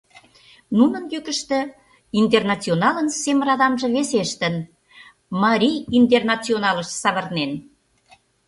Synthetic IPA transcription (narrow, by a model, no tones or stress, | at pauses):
nunə̆njykə̆ʃt̪ĕ | int̪̬ernɑt͡sionɑlənsemrɑðɑmʒĕβeseʃt̪ə̆n | mɑɾʲijint̪̬ernɑt͡sionɑləʃsɑβə̆rnen